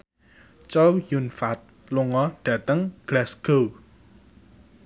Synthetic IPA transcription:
t͡ʃowjunfat̪̚ | luŋɔɖ̥ä̤t̪əŋɡ̥lasɡ̥o

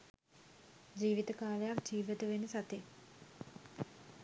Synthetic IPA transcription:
d͡ʒiːʋit̪əkaːlejakd͡ʒiːʋət̪əʋenəsat̪e

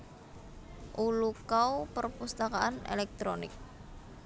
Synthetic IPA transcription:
ʔulukaupərpust̪akaʔanḛlɛk̚t̪ɾonɪ̰k̚

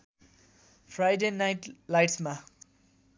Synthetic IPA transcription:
pʰɾajɖenajʈlajʈsma

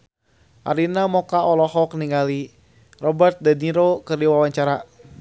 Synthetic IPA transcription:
ʔa̰ɾinamɔkaʔɔlɔhɔkniŋɡali | rɔbərt̪̚daniɾokɨrdiwawaɲt͡ʃaɾa

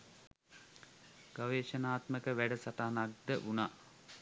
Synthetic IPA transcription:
ɡ̥aʋeːʃənaːt̪məkəʋæɖəsaʈaːnak̚d̪əʔuna

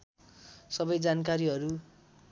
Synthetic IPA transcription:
sʌbʌjd͡zankaɾiɦʌɾu

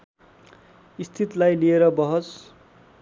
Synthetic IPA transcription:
ist̪ʰit̪lajlieɾʌbʌɦʌs

